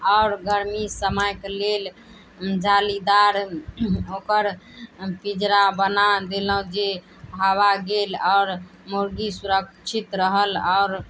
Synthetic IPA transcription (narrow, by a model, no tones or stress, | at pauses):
ɔʊɾɡəɾmisəməjklel | d͡ʒalid̪aɾ | okəɾpid͡ʒɾabənad̪eləɦd͡ʒe | aβaɡelɔʊɾ | moɾɡisuɾək̚t͡ʃʰit̪ɾəɦəlɔʊɾ